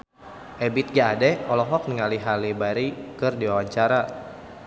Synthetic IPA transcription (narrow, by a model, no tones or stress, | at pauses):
ʔɛbit̪̚ɡaːdɛɔlɔɦɔk̚nəŋaliɦalibaɾikɨrdiwawaɲt͡ʃaɾa